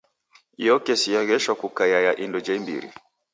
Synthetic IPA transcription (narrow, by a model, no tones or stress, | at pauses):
ijɔkɛsijaɣɛʃakukajajaʔindɔd͡ʒaimbḭɾḭ